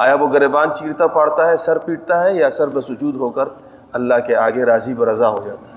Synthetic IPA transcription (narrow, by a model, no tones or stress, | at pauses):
a̰ːjaʋoɡɐɾeːbaːnt͡ʃiːɾt̪apaːɽt̪aɦɛsɐɾpiːʈ̚t̪aɦɛjasɐɾbɐsʊd͡ʒuːd̪ɦoːkəɾ | ɐlːaɦkeaːɡeɾaːzipɐɾɐzaɦod͡ʒaːt̪ḁɦɛ